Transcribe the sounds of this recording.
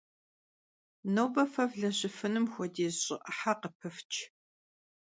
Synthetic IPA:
nowbɐfɐvɮɐɕɪfɨnɨmxʷɔdeːzɕʼɪʔɐħaqəpʰɨft͡ʃʰ

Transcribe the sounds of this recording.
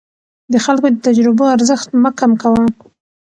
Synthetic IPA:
d̪əxalkod̪ət̪ad͡ʒɾɪboaɾzəxt̪məkamkawa

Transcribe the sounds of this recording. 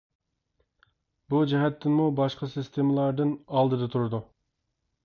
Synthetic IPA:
bud͡ʒɛɦɛt̪ʰːɪnmubɑʃqʰɑsɨst̪ʰemɨlˠɑɾd̪ɨnɑlˠd̪ɨd̪ɑt̪ʰuɾɨd̪u

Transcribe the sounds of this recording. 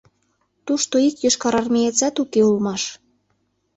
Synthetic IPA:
t̪uʃt̪oikjøʃkɑɾɑrmʲejet͡sɑt̪ukeulmɑʃ

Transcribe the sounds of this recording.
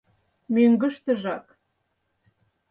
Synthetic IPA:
møŋɡə̆ʃt̪ə̆ʒɑk

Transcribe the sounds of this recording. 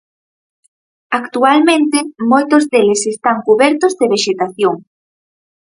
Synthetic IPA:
akt̪ualmẽnt̪ɪmojt̪ozðelesest̪aŋkuβɛɾt̪ʊzðeβeʃet̪aθjoŋ

